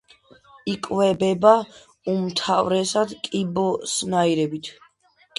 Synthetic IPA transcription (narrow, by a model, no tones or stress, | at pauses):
ikʼvɛbɛba | umt̪ʰavɾɛsad̪kʼibɔsnaiɾɛbit̪ʰ